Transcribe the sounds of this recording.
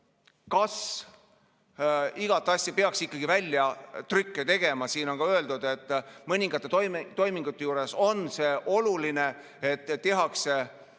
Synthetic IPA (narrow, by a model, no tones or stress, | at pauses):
kɑs | iɡ̥ɑt̪ːˑɑsʲjɑpe̞ɑksikːɑɡ̥ivælʲːjɑt̪rykːet̪e̞ɡ̥e̞mɑsiːno̞nkɑøld̪̥ud̪̥e̞t̪ːˑmɤnʲiŋɡ̥ɑt̪ˑːet̪ojmt̪o̞jmiŋɡ̥ut̪ːe̞juːɾe̞so̞nse̞ːʔo̞luline̞ | et̪ˑːe̞ɦɑkse̞